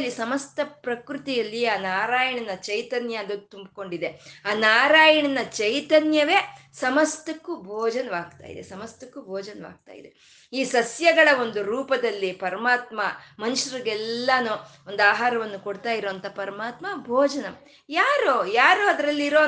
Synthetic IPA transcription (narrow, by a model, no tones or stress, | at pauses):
lːisɐmɐst̪ɐpɾɐkɾut̪ijɐlːiaːnaːɾaːjɐɳɐnːɐt͡ʃɐjt̪ɐnjɐd̪ut̪umbko̞ɳɖid̪eaːnaːɾaːjɐɳɐnːɐt͡ʃɐjt̪ɐnjɐʋe̞ːsɐmɐst̪ɐkːubʱɔːd͡ʒɐnɐʋaːɡ̚t̪a̰ːjḭd̪ḛsɐmɐst̪ɐkːubʱɔːd͡ʒɐnʋa̰ːɡ̚t̪a̰ːjḭd̪e | iːsɐsjɐɡɐɭɐo̞nd̪uɾuːpɐd̪ɐlːipɐɾɐmaːt̪mamɐnuʂɐɾiɡɛlːɐnuː | o̞nd̪aːɦaːɾɐʋɐnːukoɽt̪aːjiɾoːɐnt̪ɐpɐɾɐmaːt̪mabʱɔːd͡ʒɐnɐm | jaːɾojaːɾoːɐd̪ɐɾɐlːiiɾoː